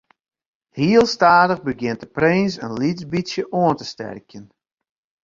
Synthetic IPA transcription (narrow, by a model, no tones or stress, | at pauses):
hiəlˠstaːdəɣbəɡjɪnt̚dəprensə̰nlizbisjəʔoəntəstɛ̰rkjən